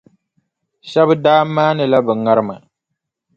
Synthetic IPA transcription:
ʃɛ˦bɨ˦daː˦mːaː˦nɨ˨la˦bɨ˨ŋa˦ɾɨ˦ma˨

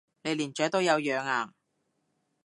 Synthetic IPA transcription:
ne˨˧jliː˨˩nt͡ʃœː˨˥t̪o˥wjɐ˨˧wjœː˨˧ŋaː˨˩ŋ

